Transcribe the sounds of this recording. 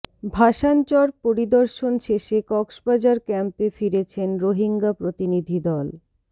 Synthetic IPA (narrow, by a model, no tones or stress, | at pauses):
bʱaʃant͡ɕɔɾpoɾid̪oɾʃonʃeʃekɔksbad͡ʑaɾkɛmpefiɾet͡ɕʰenɾoɦiŋɡapɾot̪inid̪ʱid̪ɔl